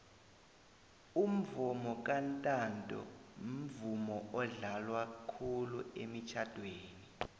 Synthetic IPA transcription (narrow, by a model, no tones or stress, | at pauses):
um̩vumɔk̬ʼantʼantʼɔ̰m̩vumɔʔɔɮalwakʰuluemit͡ʃʰad̥ʱweːni